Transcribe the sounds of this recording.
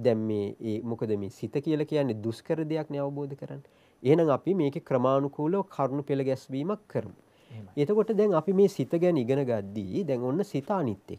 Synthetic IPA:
d̪ɛŋmeːmukəd̪əmeːsit̪əkijəlakijanːed̪uskəɾəd̪ejakneaʋəboːd̪əkəɾanːə | eɦenaŋapimeːkekɾəmaːnukuːləʋkʰaɾnupeləɡɛsʋiːmakʰːəɾəmu | et̪əkoʈəd̪ɛŋapimeːsit̪əɡɛniɡənəɡat̪d̪ːiːd̪ɛŋonːəsit̪aːnit̪ːḛk̚

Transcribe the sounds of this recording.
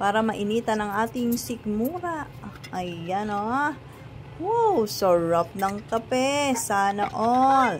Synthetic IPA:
paːɾɐmɐʔɪniːt̪ɐnɐŋʔaːt̪ɪŋsɪk̚muːɾɐʔʔɐjano | wowsɐɹɐp̚nɐŋkɐpɛsaːnɐʔol

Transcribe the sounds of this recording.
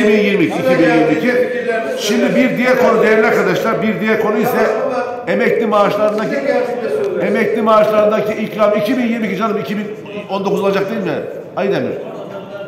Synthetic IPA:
ibinjiɾmicʰiːcʰibinjiɾmicʰi | ʃimd̪ibiɾd̪ijɛɾkʰo̞nud̪ejæɾlʲaɾkʰad̪aʃlˠaɾbiɾd̪ijɛɾkʰo̞nuisɛ | emɛc̚lʲimaːʃlˠaɾɯnd̪aci | emɛclʲimaːʃlˠaɾɯnd̪acʰiʔicɾamicʰibinjiɾmicʰid͡ʒanld̪ɯmicʰibin | o̞nd̪okuzolˠad͡ʒakt̪ejilmɛ̰ | ajd̪emɪ̰

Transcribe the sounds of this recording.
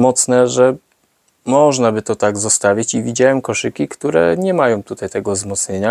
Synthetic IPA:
mɔt̪snɛʐɛ | mɔʐnabɘt̪ɔt̪aɡzɔst̪avʲjit͡ɕivʲid͡ʑawɛmkɔʂɘkʲikt̪uɾɛ̰ɲɛmajɔ̃w̃t̪ut̪ajt̪ɛɡɔzmɔt̪sɲeɲa

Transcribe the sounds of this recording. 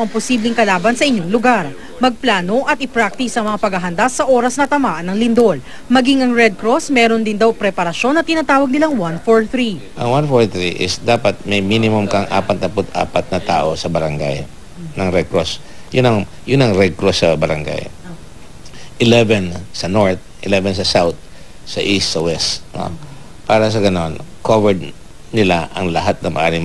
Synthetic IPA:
ɐŋposiblɪŋkɐlaːbɐnsɐʔɪɲjoŋlʊɡaɾ | mɐɡ̚plaːno̞ʔɐt̪ʔɪpɾak̚t̪ɪsɐŋmɐŋapɐɡhɐɦɐnd̪asːɐʔo̞ːɾɐsnɐt̪ɐmaːʔɐnːɐŋlɪnd̪ol | mɐɡiŋɐŋɹɛd̪̚kɾosmɛːɾond̪ɪnd̪awpɾɛpɐɾɐʃo̞nːɐt̪ɪnat̪aːwɐɡ̚nɪlaŋwanfoɹθɾi | ʔɐ̰ŋwanfoɹθɹiʔɪ̰sd̪aːpɐt̪̚mɛjminɪmʊmkɐŋʔa̰ːpɐt̪̚nɐpʊt̪a̰ːpɐt̪̚nɐt̪a̰ːʔo̞sɐbɐɾɐŋɡa̰j | nɐŋɾɛkɾos | jʊnɐŋ | jʊnɐŋɾɛkɾosɐbɐɾɐŋɡa̰j | ʔɪlɛvɛnsɐnoɹt̪̚ʔɪ̰lɛvɛnsɐsawt̪̚ | sɐ̰ʔist̪sɐwɛst̪no̰ | paːɾɐs̬ɐɡɐnonkovɛɹd̪̚ | nɪlaʔɐŋlɐɦat̪̚nɐŋmʔɐ̰ʔaːɾɪŋ

